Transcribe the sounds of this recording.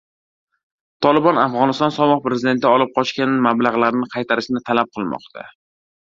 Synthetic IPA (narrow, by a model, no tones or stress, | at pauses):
t̪ʰɒlɪbɒnafʁɒnɪst̪ɒnsɒmɒχpɾe̞zɪd̪e̞nt̪ɪɒlˠɪp̚qʰɒʃkʲanmablaʁlˠaɾnɪqʰɑjt̪ʰaɾɪʃnɪt̪ʰalap̚qʰɨlˠmɒ̰qt̪ʰa̰